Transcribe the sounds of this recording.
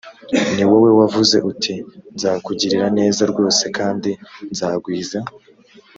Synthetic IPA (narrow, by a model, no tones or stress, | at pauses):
niwo̞we̞wavuze̞ʔutʰinzaːkuɟiɾiɾane̞ːzaɾɡo̞ːse̞kaːndinzaːɡwiːza